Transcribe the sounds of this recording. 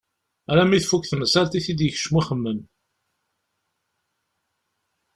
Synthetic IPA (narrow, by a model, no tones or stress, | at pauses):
æɾæmiθfukθməsælt̪iθid̪jəç̥ʃmiχəmːən